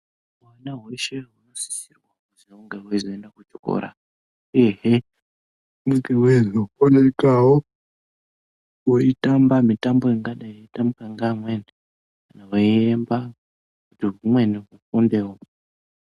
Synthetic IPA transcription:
mwanaɦweʃe̞ɦuno̞si̥sirwauzauŋɡeweizoendakut͡ʃoko̰ɾa̰ | eɦe | mikiwezokonaikawo | woitambamitambo̞iŋɡaɗajeitamukaŋɡamweni | kanawaiemba | kutiɦumweniɦwufunbewo

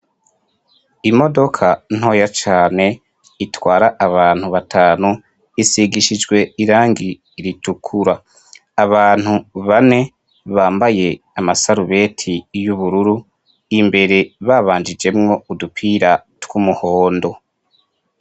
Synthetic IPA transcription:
imo̞do̞kʰan̥o̞ːjat͡ʃaːne̞ | itwaːɾaʔaβaːn̥huβatʰaːnu | isiɡiʃid͡ʒɡwe̞iɾaːŋɡi | ɾitukʰuɾaː | βaːn̥huβane̞ | βaːmbaje̞ | amasaɾuβe̞ːtʰijuβuɾuɾu | imbe̞ɾe̞βaβaːɲd͡ʒid͡ʒe̞mŋo̞udupʰiɾatwumuho̞ːndo̞

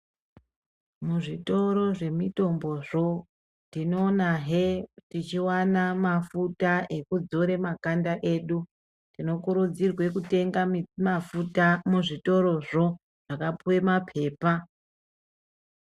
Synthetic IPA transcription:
muʐito̞ɾo̞ʐe̞mito̞mbo̞ʐo̞ | tino̞naɦetit͡ʃiwanamafutaʔe̞kud͡zo̞ɾe̞makandaʔe̞ɗu | tino̞kuɾud͡zirwe̞kute̞ŋɡamafutamuʐito̞ɾo̞ʐo̞ | ʐ̥akapuwe̞mapʰe̞ːpa

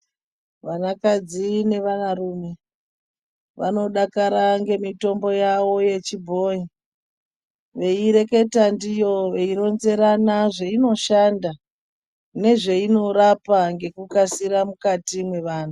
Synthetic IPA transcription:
ʋanakad͡zine̞ʋanarume | ʋano̞ɗakaɾaŋɡe̞mito̞mbo̞jaʋo̞je̞t͡ʃibʱo̞ɲi | ʋe̞iɾe̞ke̞tandijo̞ʋe̞iɾo̞nze̞ɾanaʐeino̞ʃanda | ne̞ʐe̞ino̞ɾapaŋɡe̞kukasiɾamukatimwe̞ʋaːn̤u

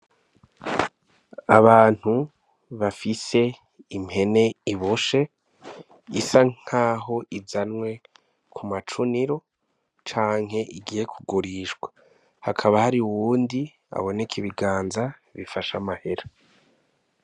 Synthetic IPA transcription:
aβaːn̥hu | βafise̞ | imhe̞ne̞iβoʃe̞ | isaŋ̥aːɦo̞ʔizanŋwe̞ | kʰumat͡ʃuniɾo̞ | t͡ʃaːŋ̥he̞ʔiɡiːje̞kʰuɡuɾiːʃɡ̥wa | hakʰaβahaɾiuwuːndi | a̰βo̞ne̞kʰiβiɡaːnzaβifaʃamahe̞ɾa

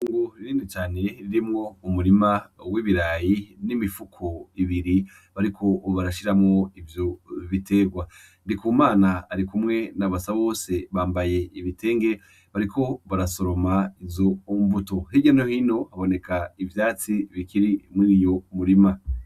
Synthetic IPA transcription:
uːŋŋɡoɾiɾiːndit͡ʃaːne̞ɾiɾimŋo̞umuɾimawiːβiɾajinimifukʰoiβiɾi | βaɾikʰo̞βaɾaʃiɾamŋo̞ivjoβite̞ːɡwa | ndikumaːnaːɾikumŋe̞naβasaβo̞ːse̞βaːmbaje̞ʔiβite̞ːŋɡe̞ | βaɾikʰo̞βaɾaso̞ɾo̞maizoumvuto̞hiɡanohino̞haβo̞ne̞kʰaivjaːt͡siβikiɾimuijomuɾima

